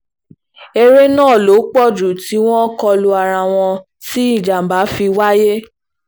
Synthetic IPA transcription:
e˧ɾe˦nãː˦˨lo˨˦k͡pɔ˦˨d͡ʒu˨ti˨˦w̃ɔ̃˦kɔ˧lo˧a˨ɾa˧˨w̃ɔ̃˧ | ti˦i˦˨d͡ʒa˨m̩˨ba˨˦fi˧wa˦je˦

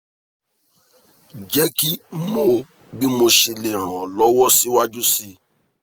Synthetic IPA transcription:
d͡ʒɛ˦ki˦moː˦˨ | ɡ͡bi˦mo˧ʃe˧le˨ɾ̃ɔ̃˨lɔ˦wɔ˦si˦wa˦d͡ʒu˦si˦

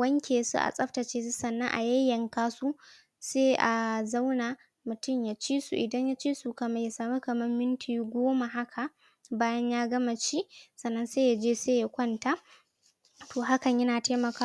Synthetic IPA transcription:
wɐ˦ŋkʲeː˨sṵ˦ʔa̰˨sʼɐ˦ɸta˨t͡ʃeː˦su˦sɐ˨nːɐ˦ŋʔa̰˨jɐ˦jːɐ˨ŋkaː˦su˦ | seː˦ʔa˨za˦wna˨ | mʊ˨tʊ˦˨mja˨t͡ʃiː˦sṵ˨ʔɪ˨dɐ˦ɲja˦t͡ʃiː˦su˨kɐ˨mɐ˦ja˨saː˨mu˦kɐ˨mɐ˦mːɪ˦ntʰiː˨ɡʷoː˦ma˨ɦa˦kʰa˨ | baː˦jɐ˦ɲjaː˦ɡɐ˦ma˨ʃi˦ʔsɐ˨nːɐ˦nseː˦ja˨d͡ʒeː˦seː˦ja˦kʷɐ˦nta˦ | tʰoː˨ɦa˦kɐ˨ɲjɐ˦naː˨ta˦mɐ˨ka˦

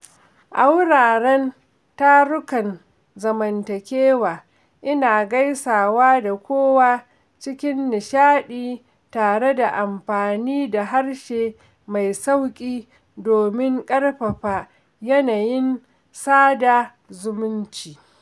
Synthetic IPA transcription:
ʔa˦wɽaː˨ɽɛ˦n | ta˦ɽʊ˦kɐ˨n | zɐ˨mɐ˨ntɐ˨kʲeː˦waː˨ | ʔɪ˦naː˨ɡa˦jsaː˨waː˦da˨kʷoː˦waː˦ | t͡ʃɪ˦kʲɪ˦nːɪ˨ʃaː˦ɗiː˦ | taː˨ɽe˦da˨ʔa˨mɸaː˨niː˦da˨ɦa˦ɽʃeː˨ | ma˨jsa˦wkʲʼiː˦ | doː˨mɪ˦ŋkʼɐ˦rɸɐ˨ɸaː˦ | jɐ˦naː˨jɪ˦n | saː˦da˨ | zʊ˦mʊ˦nt͡ʃiː˨

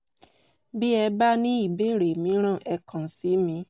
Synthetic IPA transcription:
bi˦ɛ˧ba˦nĩ˦i˦˨be˦˨ɾe˨mĩ˨˧˦ɾ̃ã˦˨ʔɛ˧kã˨si˨˦mĩ˧˦

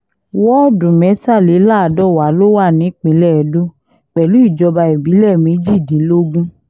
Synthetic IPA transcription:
wɔ˦dũ˨mɛ̃˨˦ta˦˨le˨˦la˦˨dɔ˦˨wa˨˦lo˦wa˦˨nĩ˨˦k͡pĩ˨˦lɛ˦˨dũ˦ | k͡pɛ˨lu˨˦i˦˨d͡ʒɔ˧ba˧i˨bi˨˦lɛ˦˨mẽ˨˧˦d͡ʒi˦˨dĩ˨˦lo˦ɡũ˦

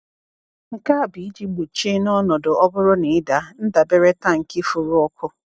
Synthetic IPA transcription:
ŋ̩˨ka˦a˨bi˨i˦d͡ʒi˦ɡ͡bu˨t͡ʃe˦nɔ˦nɔ˨dʊ˨ʔɔ˦bʊ˦ɾʊ˦ne˨ɪ˦da˨n̩˦da˨be˦ɾe˦ta˦ŋ̩˨ki˦fʊ˨ɾʊ˦ɔ˦kʰʊ˦

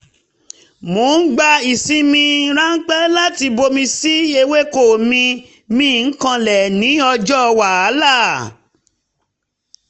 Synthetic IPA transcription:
mo˨˦n̩˦ɡ͡ba˧i˨sĩ˦mĩ˧ɾã˦ŋ̩˦k͡pɛ˦la˦ti˧bo˧mĩ˧si˦e˧we˦ko˨mĩ˧ | mĩ˦˨ŋ̩˦kã˧lɛ˨nĩ˨˦ɔ˧d͡ʒɔ˦˧wa˨a˨˦la˦˨

